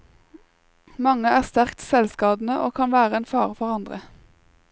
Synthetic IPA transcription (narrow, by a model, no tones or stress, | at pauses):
mɑŋəæːʁst̪æʁkt̪sɛlskɑːd̪n̩əʔo̰ːkʰɑnʋæːʁəeːnfɑːʁfɔʁɑnd̪ʁə̰